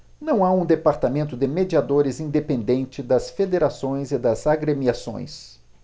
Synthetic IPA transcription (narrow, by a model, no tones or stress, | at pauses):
nɐ̃w̃aũd̪epaɾt̪amẽnt̪ʊd̪ɪmed͡ʒiad̪oɾɪzĩnd̪epẽnd̪ẽnt͡ʃɪd̪ɐsfed̪eɾasõj̃zɪd̪ɐzaɡɾemiasõ̰j̃s